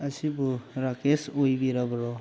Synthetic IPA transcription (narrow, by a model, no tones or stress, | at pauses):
ɐsibuɾakesojbiɾabɾɔ